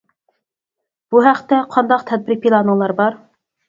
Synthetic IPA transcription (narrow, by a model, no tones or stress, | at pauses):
b̥uɦæqt̪ɛqʰɑnd̪ɑqt̪ʰɛd̪̚bɪɾpʰilˠɑnəŋlˠɑɾbɑɾ